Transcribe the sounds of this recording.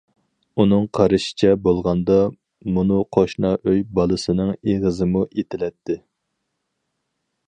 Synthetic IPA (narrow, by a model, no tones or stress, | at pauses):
unɨŋqʰɑɾɨʃɪ̥t͡ʃʰɛbolˠʁɑnd̪ɑ | munuqʰoʃnɑʔøjbɑlˠɨsɨnɨŋeʁəzɨmuʔet̪ʰɪlɛt̪ʰːɪ